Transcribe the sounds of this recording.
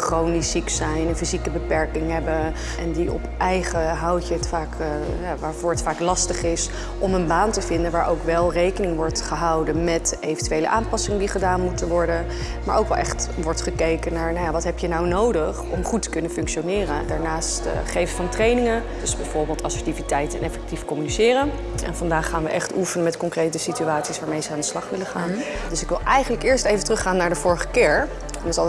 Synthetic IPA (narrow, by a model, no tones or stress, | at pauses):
χrownisiksɛjnənfizikəbəpɛɹkɪŋɦɛbə | ɛndiɔ̰pʔɛjχəɦawcəətfaːk | jaʋaːɹvʊːɹɦətfaːklɑstəχɪs | ʔɔmənbaːntəvɪndənʋaːɹʔowkʋɛlˠrejkənɪŋʋɔɹtχəɦɑwdənmɛtejvəntyʋejlə̰ʔaːmpɑsɪŋədiχədaːnmutənʋɔɹdə | maːɹʔowkʋɛlˠʔɛ̰χtʋɔɹtχəkejkənaːɹnajaʋɑtɦɛpjənawnowdəχɔmχutːə̥kɵnəfɵŋkʃonɪːrədaːɹnaːstːχejvəvɑntrejnɪŋən | dsbɛjvʊːɹbɪːlˠtɑsəɹtivitɛjtɛnɛfɛk̚tifkɔmynisɪːɾən | ɛ̰nvɑndaːχaːnʋə̰ʔɛχtufənəmɛtkɔŋkrejtəsityaːtsisʋaːɹmejzəaːndəslɑχʋɪləχaːn | dɵsɪkʋɪlˠʔɛjχənləkɪːɹstejvəntrɵχaːnːaːɹdəvʊːɹəχəkɪːɹ | ɛnts